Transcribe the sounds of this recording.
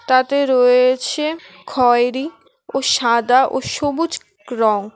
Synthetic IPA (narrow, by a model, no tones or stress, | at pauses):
t̪at̪eɾoet͡ɕʰe | kʰɔeɾi | oʃad̪aʔoʃobud͡ʑ | ɾɔŋ